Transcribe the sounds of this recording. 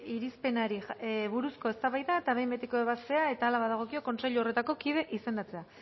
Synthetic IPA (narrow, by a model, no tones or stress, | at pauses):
iɾispe̞naɾiβuɾusko̞e̞st̪aβajðaet̪aβe̞jmbe̞t̪ekoe̞β̞ast̪e̞ae̞t̪aːlaβaðaɣ̞o̞kioko̞nseʎuore̞t̪ako̞kið̞e̞ʔise̞nd̪at͡se̞a